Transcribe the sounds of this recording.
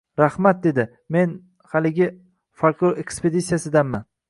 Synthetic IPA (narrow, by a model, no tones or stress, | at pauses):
ɾahmat̪̚d̪e̞d̪ɪ | me̞n | halɪɡʲɪ | falkoɾekspʰe̞d̪it̪sijasɪd̪anman